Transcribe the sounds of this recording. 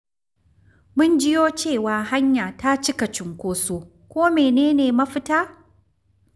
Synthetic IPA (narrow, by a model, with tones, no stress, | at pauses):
mʊ˦nd͡ʒɪ˦joː˦t͡ʃeː˦˨waː˨ɦa˦ɲjaː˨ta˦t͡ʃɪ˦kɐ˨t͡ʃɪ˨ŋkʷoː˦soː˦ | kʷoː˦meː˨neː˦neː˨mɐ˦ɸɪ˦taː˦